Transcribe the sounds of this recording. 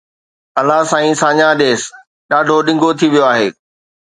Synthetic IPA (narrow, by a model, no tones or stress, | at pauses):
ɐlasãːĩsãːɲaɗeːs | ɗaːɖʱoɗɪ̃ŋɡʱot̪ʰiʋijoaːɦeː